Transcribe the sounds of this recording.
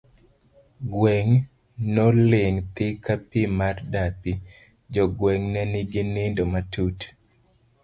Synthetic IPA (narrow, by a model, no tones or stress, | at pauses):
ɡwɛŋ | nɔlɪŋt̪ɪkapimardapi | d͡ʒɔɡwɛŋnɛnɪɡɪnɪndomatut